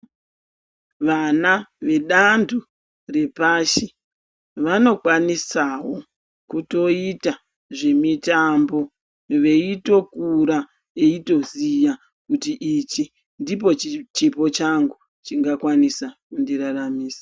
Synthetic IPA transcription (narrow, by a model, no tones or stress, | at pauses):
ʋanaʋe̞ɗandʰu | re̞paːʃi | ʋano̞kwanisawo̞ | kuto̞ita | ʐe̞mitambo̞ | ʋe̞ito̞kuɾa | eito̞zija | kutiʔit͡ʃi | ndip̬o̞it͡ʃipo̞t͡ʃaŋɡu | t͡ʃiŋɡakwanisakundiɾaramiːsḁ